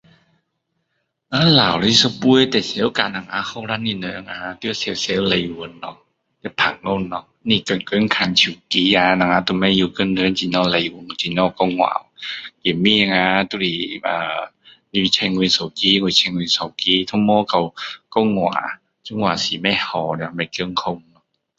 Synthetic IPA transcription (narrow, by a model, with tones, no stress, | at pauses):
ʔaː˧˦laː˨wla˧˦˧sɔ˧pu˧˨ə˨jt̪ɛ˨˩se˧˦wka˧˨na˧˨ŋa˧˥xɔ˧˨wɾa˧˥ni˧˩nɔ˧˦ʔa˧˨ŋaː˧˦t̪i˧˦a˧se˧˦˨wse˧˦wla˧ju˧˨˧nːɔ˧˦ | t̪ɛ˨˧˩pʰa˨˩ŋ̚no˧˨nːɔ˧˦ | niː˧˩kə˧˩˨nkə˧˥˨nkʰa˧˨nt͡ɕʰi˧˩˨ki˧˦ja˧na˧˨ŋa˧˦t̪u˧˨ma˧˩˨ju˧˨kɤ˧˥˨nnɯ˧˦˨nt͡ɕi˧˨nɔː˧˨la˧ju˧˨˦n˧˨t͡ɕi˧˨˦nɔ˧˩kɔ˧˩wŋwa̰ː˨wki˨˩mi˧˨a˧˨ŋaː˧˦t̪u˧ɾi˧˨˩ʔaː˨˧ | ni˧t͡ɕʰɛ˧ŋ˧i˧˨nsɔ˨˩wkiː˧˨ŋu˧˨t͡ɕʰɛ˧ŋwi˧˨nsɔ˨˦wkiː˧˦t̪ʰu˧˦˨mɔː˧˨ka˧˩wkɔ˧˩wŋwa̰ː˨˦ | t͡ɕɔ˧˦ŋwaː˨siː˨˦mɛ˧˩˨hɔ˨˩n˧˨a˧ma˧˨kɯ˧˥˨ŋkʰo˧˨mnɔ˧˦